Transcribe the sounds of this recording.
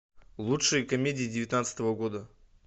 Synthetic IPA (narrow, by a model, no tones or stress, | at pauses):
lˠutʂɨjəkɐmʲedʲɪjɪdʲɪvʲɪt̪nat̪sə̥t̪əvəɡo̞d̪ə